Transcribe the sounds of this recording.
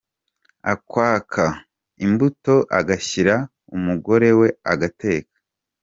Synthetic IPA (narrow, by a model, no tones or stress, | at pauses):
akwaːkʰa | imbuto̞ʔaɡaçiɾa | umuɡo̞ɾe̞we̞aɡate̞ːkḁ